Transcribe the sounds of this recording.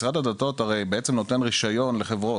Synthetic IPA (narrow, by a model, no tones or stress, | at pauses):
sʁad̪ad̪ato̞taʁe̞jbeet͡semnot̪e̞nʁiʃajo̞nleχe̞vʁo